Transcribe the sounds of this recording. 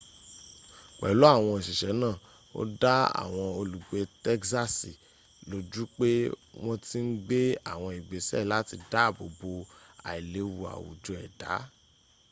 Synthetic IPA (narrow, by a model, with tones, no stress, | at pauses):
k͡pɛ̰˨lo˨˦a˦˨w̃ɔ̃˧i˨ʃi˨ʃɛ˨˦nãː˦˨ | o̰˦da˦a̰˨w̃ɔ̃˧o˧lu˨ɡ͡be˧tɛ˦ksa˦si˨ | lo˨˦d͡ʒu˦k͡pe˦w̃ɔ̃˦ti˦n̩˦ɡ͡be˦a̰˦˨w̃ɔ̃˧i˨ɡ͡be˨˦sɛ̰˦˨la˦ti˧da˦˨bo̰˨bo˧a̰˨i˨le˨˦wu˧a̰˨wṵ˨d͡ʒo˧˦ɛ˨d̥a̰˨˦